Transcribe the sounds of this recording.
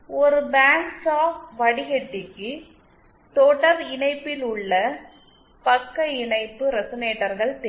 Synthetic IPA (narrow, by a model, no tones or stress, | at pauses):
ɔɾɯbaːɳsaːfʋɐɽɪɣɛʈːɪkːɯ | t̪oːʈːɐɾɪɳɐɪpːɪlʊɭːɐ | pɐkːɐɪɳɐɪp̪ːɯɾɛsɔneːʈːɐɾɣɐɭt̪e